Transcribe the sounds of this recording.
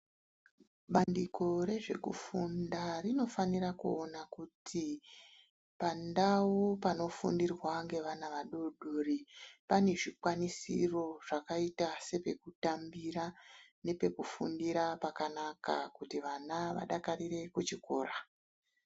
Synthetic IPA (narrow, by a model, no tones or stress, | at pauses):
ɓandiko̞ɾe̞ʐe̞kṵfundarino̞fanirakuonakutʰi | pandawupano̞fṵndirwaŋɡe̞ʋanaʋaɗoɗoːripane̞ʐikwanisḭro̞ʐ̥akaitase̞pe̞kutambiɾane̞pe̞kufṵndiɾapakanaka̰kutiʋanaʋa̰ɗakaɾire̞kut͡ʃiko̞̰ːra